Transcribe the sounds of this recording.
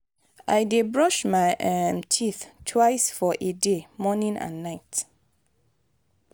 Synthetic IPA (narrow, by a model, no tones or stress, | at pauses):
ʔaɪdebɹɔʃmaɪʔɛmtʰiθtʰwaɪsfɔʔedemɔnĩnã̰nːaɪt